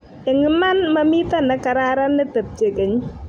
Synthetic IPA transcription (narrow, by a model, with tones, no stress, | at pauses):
ɛ˨ŋɪ˨ma˦nma˦mi˦t̪a˦nɛ˨ka˨ɾa˦ɾa˦nːɛ˦tə˨t̚t͡ʃe˨ke˨ɲ˦